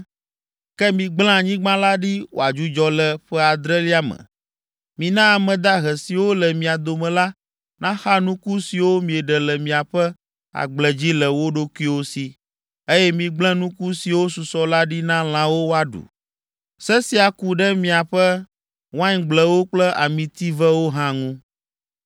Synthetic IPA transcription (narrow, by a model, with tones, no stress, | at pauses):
kɛ˦mĩ˨ɡ͡bl̃ã˦˨ɲĩ˦ɡ͡bã˦la˦ɖi˦wʔo̰˨a˨d͡ʒu˦d͡ʒɔ˦lɛ˦˨ɸɛ˦a˨d̪ɾɛ˦li˦a˦mɛ̰̃˨ | mĩ˨nã˦a˨mɛ̃˨d̪a˦ɦɛ˨si˨wo˦lɛ˨mĩ˨a˨d̪o˨mɛ̃˨la˦ | nã˦xa˦nũ˦ku˦si˨wo˦mĩ˨ɛ˨ɖɛ˨lɛ˨mĩ˨a˨ɸɛ˦ | a̰˨ɡ͡blɛ˨d͡ʑi˦lɛ˨wo˦ɖo˦ku˦i˦wo˦si˨ | e˦jɛ˦mĩ˨ɡ͡blɛ̃˦nũ˦ku˦si˨wo˦su˨sɔ˦la˦ɖi˦nã˦l̃ã˦wo˦wo˦a˨ɖṵ˨ | sɛ˦si˦a˨ku˨ɖɛ˦mĩ˨a˨ɸɛ˦ | wã˦ɲ˦ɡ͡blɛ˦wo˦k͡plɛ˦ʔa˨mĩ˨t̪i˦vɛ˦wo˦ɦã˦ŋũ˦